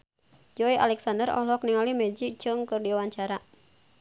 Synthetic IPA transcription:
d͡ʒɔiʔalɛksandərɔ̰hlɔk̚niŋalimɛd͡ʒik̚t͡ʃɨŋkɨrdiawaɲt͡ʃaɾa

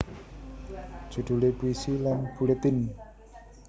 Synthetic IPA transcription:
ʒ̥ṳɖ̪̥ṳlepuisilanpulet̪ɪn

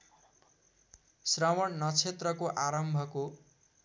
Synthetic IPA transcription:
srawʌnnʌt͡sʰet̪rʌkoʔaɾʌmbʱʌko

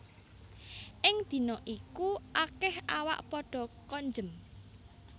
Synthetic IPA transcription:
ʔɪŋd̪̥i̤nɔʔikuʔakɪhawa̰ʔpɔɖ̥ɔ̤kɔɲd͡ʒəm

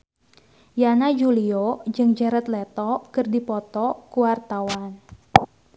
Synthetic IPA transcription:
janad͡ʒuliod͡ʒɨŋd͡ʒaɾat̪lɛt̪ɔkərdipɔt̪ɔkuwart̪awan

